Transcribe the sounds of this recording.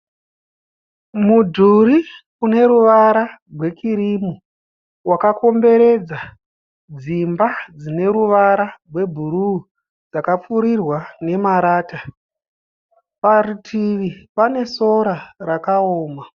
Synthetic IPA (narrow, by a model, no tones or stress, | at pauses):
mudʱuɾi | une̞ɾuʋaɾarwe̞kiɾimu | wakako̞mbe̞ɾe̞d͡za | d͡zimbad͡zine̞ɾuʋaɾarwe̞bʱuɾu | d͡zakap͡fuɾirwane̞maɾaːta | paritʰiʋipane̞so̞ɾarakaoːma